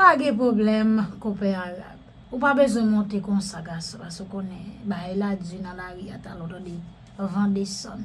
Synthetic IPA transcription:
aɡɛ̃p̬ʁoblɛmkopeaɣa̰b | up̬abezwɛ̃mɔ̃tekɔ̃saɡasõpaskeukõnɛ̃bajelad͡zynãlaɣia̰talɔtde | avãdesã̰n

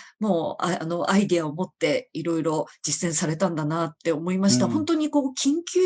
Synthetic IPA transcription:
moːa̰a̰no̞ʔaid̪eaomo̞t̪ːe̞iɾo̞iɾo̞d͡ʑisẽ̞ɰ̃saɾe̞t̪ãnd̪anat̪ːe̞omo̞imaɕi̥t̪ahõ̞nt̪o̞ɲ̟iko̞ːkʲĩŋkʲɨ

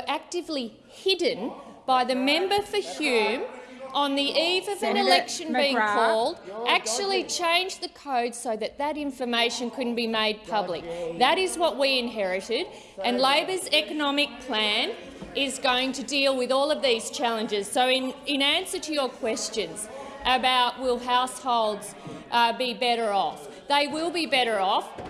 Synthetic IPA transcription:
ʔæk̚tɨvli | hɪdⁿn̩ | b̥aɪðɨmɛ̃mbə˞fə˞hjʉ̃mə̃nðiʔivʌvɨ̃nɨlɛkʃɨ̃nbiɪ̃ŋkʰɔlˠdʔæk̚t͡ʃul̩ˠit͡ʃʰẽɪ̃nd͡ʒðɨkʰoʊd̥soʊðɨt̪̚ðɨɾɪ̃ɱfə˞meɪʃɨ̃nkʰʊdⁿn̩b̥imeɪd̚pʰʌblɨ̰k̚ðɨɾɪzwʌt̚wiɨ̃nɦɛɹɨɾɪɾ | ʔɨ̃nleɪbə˞zɛkɨnɑmɨk̚pʰl̥æ̃n | ʔɪzɡoʊɪ̃ŋtʰɨdilˠwɨðɔlˠʌvðiz̥t͡ʃʰælˠɨ̃nd͡ʒɨz̥soʊɪ̃nɪ̃næ̃nsə˞ɾɨjə˞kʰw̥ɛst͡ʃɨ̃nz̥ | ʔɨbaʊʔ̚wɪlˠɦaʊshoʊlˠdz̥ʔbibɛɾə˞ɔf | ðeɪwɪlˠbibɛɾə˞ɔf

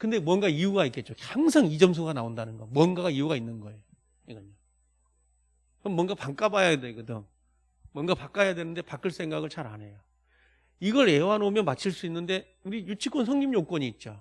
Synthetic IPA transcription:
kɯnde̞mwʌnɡaijuɡaik͈e̞t̚t͡ɕ͈ohaŋs̬ʰaŋid͡ʑʌms̬ʰoɡanaondanɯnɡʌmwʌnɡaɡaiuɡainːɯnɡʌe̞jo | iɡʌɲo | kʌmmwʌnɡapaŋk͈abajadeɡɯdɯŋ | mwʌnɡapak͈ajadwe̞nɯnde̞pak͈ɯɭs͈ʰe̞ŋɡaɡɯɭt͡ɕʰaɾa̰nɦe̞jo | iɡʌɾewanomjʌnmat͡ɕʰiɭs͈uinːɯnde̞ | uɾijut͡ɕʰik͈ʰonsʰʌŋɲimjok͈wʌɲiːt̚t͡ɕ͈o

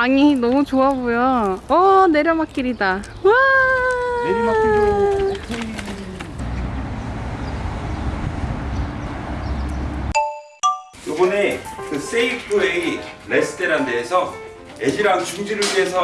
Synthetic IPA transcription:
aɲinʌmut͡ɕoabojoʌne̞ɾjʌmak͈iɾida | ua | em | jobʌnekɯs͈ʰeipʰɯeilesʰɯ̥teɾandeːsʰʌ | ed͡ʑiɾaŋt͡ɕuŋd͡ʑiɾɯɭiesʰʌ

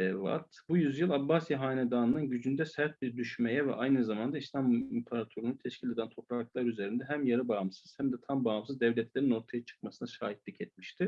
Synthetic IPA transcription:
ɛva̰t̪bujyzjɯlˠabːasjaɦaːnɛd̪aːnɯnɯnɟyd͡ʒynd̪ɛsæɾt̪̚biɾd̪yʃmejɛvɛ̰ʔajnɯzamand̪aislʲamimpʰaɾat̪ʰøɾununt̪ʰɛʃcʰilʲed̪ænt̪ʰo̞pɾaklˠaɾyze̞ɾind̪ɛɦæmjaɾɯbaːmsɯz̥hæmd̪ɛt̪ʰambaːamsɯzd̪ɛvlʲɛt̪ʰlʲe̞ɾino̞ɾt̪ʰajat͡ʃʰɯ̥kmasɯnaʃaːɦit̪lʲicʰɛt̪miʃt̪ʰɪ

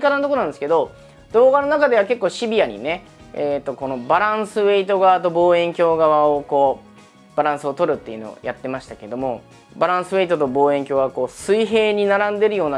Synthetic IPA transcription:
kat̪anot̪okonãnd̪sɨ̥keo̞ | d̪o̞ːɡano̞nakad̪e̞βake̞kːo̞ːɕibʲijaɲ̟ḭne̞ | eːt̪ːo̞ko̞no̞baɾãɰ̃sɨβe̞it̪o̞ɡaβat̪o̞bo̞ːẽ̞ŋkʲo̞ːɡaβaoko̞ː | b̥aɾãɰ̃sɨo̞t̪o̞ɾɯ̟t̪ːe̞iɯ̟no̞̰o̰jat̪ːe̞maɕi̥t̪ake̞d̪o̞mo̞ | baɾãɰ̃sɨβe̞it̪o̞t̪o̞bo̞ːẽ̞ŋkʲo̞ːɡako̞ːsɨiɦe̞ːɲ̟inaɾãnd̪e̞ɾɯ̟jo̞ːna

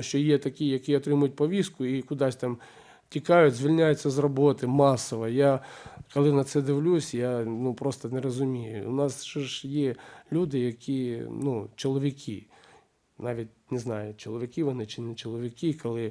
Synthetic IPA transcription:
ʃt͡ʃɔjɛt̪ɐkʲijɐkʲiɔt̪ɾɪmʊjʊt̚ʲpɔʋʲiskʊikʊd̪ɑsʲt̪ɑm | tʲikɑjʊtʲzʲʋʲilʲnʲajet͡sʲːɐzrɔbɔt̪ɪmɑsɔʋɐjakɔlˠɪnɐt̪sɛd̪ɪʋlʲusʲjanupɾɔst̪ɐnɛɾɔzʊmʲijʊ̰ʊ̰nɑst͡ʃɔʒjɛlʲud̪ɪjɐkʲinut͡ʃɔlˠɔʋʲikʲʰḭ | nɑʋʲit̚ʲnɪznɑjʊt͡ʃɔlˠɔʋʲɪkʲɪʋɔnɪt͡ʃɪnɛt͡ʃɔlˠɔʋʲikʲikɔlˠɪ

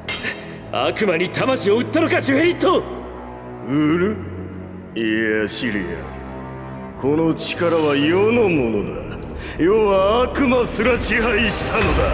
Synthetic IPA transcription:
a̰kɯ̟maɲ̟it̪ʰamaɕio̞ɯt̪ːanokaɕɯɦeɾʲit̪ːo | ɯɾɯ | iaɕiɾʲḭa̰ | kʰo̞no̞t͡ɕi̥kaɾaβaijonomo̞no̞d̪a̰ | joβaːkɯ̟masɨɾaɕiɦaiɕi̥t̪ʰano̞d̪a̰

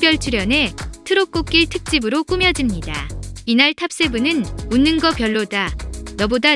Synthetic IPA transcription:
pjʌɭt͡ɕʰuɾjʌne̞tʰɯɾok͈ok͈iɭtʰɯk̚t͡ɕ͈ibɯɾok͈umjʌd͡ʑimɲida̰inaɭtʰap̚s͈e̞bunɯnunːɯnɡʌpjʌɭːodanʌboda

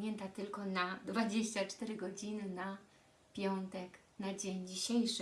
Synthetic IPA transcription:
ɛnt̪at̪ɘlkɔnad̪vad͡ʑeɕt͡ɕat͡ʂt̪ɛɾɘɡɔd͡ʑinɘna | pʲjɔnt̪ɛk | nad͡ʑeɲd͡ʑiɕejʂ

